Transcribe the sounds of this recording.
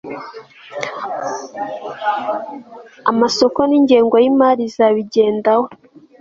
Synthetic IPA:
amaso̞koniːɲɟe̞ːŋɡwajimaːɾizaβiɟe̞ːndaho

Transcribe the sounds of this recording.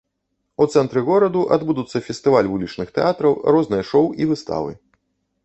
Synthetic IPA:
ut̪sɛnt̪ɾɨɣɔɾɐd̪uʔa̰d̪bud̪ut̪sːɐfʲɛst̪ɨvalʲvulʲit͡ʂnɨxt̪ɛat̪ɾɐwrɔznɨjɐʂɔwivɨst̪a̰vɨ̰

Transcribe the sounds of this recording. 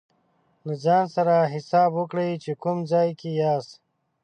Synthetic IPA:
lad͡ʒɑːnsaɾaɦɪsɑːbwukɽejt͡ʃekumzaːjkijaːs

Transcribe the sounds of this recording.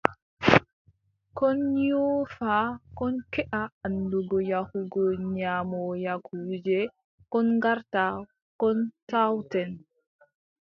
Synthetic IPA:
kɔnjɔːfakɔnkɛʔaanduɡɔjahuɡɔɲamɔjakud͡ʒɛ | kɔnŋɡaɾta | kɔntawtɛn

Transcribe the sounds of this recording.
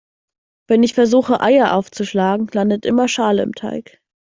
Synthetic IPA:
v̥ɛnɪçfɛɐzuːxəʔaɪɐʔa̰ʊft͡suʃlaːɡŋ̩landətʔɪmɐʃaːləɪ̰mtʰa̰ɪk

